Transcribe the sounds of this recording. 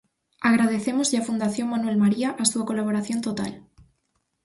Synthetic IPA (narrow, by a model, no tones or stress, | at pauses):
aɣ̞ɾað̞e̞θemozʎafund̪aθjo̞ŋmanwe̞lmaɾiaʔast̪uakolaβ̞oɾaθjo̞nt̪ot̪a̰l